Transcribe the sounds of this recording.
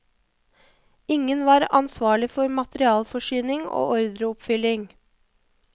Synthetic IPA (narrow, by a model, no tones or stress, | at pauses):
ɪŋənʋɑːɾɑ̰nsʋɑːɭɪfɔɾmɑt̪ɾɪɑːlfɔʃyːnɪŋo̰ːʔɔɾd̪ɾəʊpfʏlɪŋ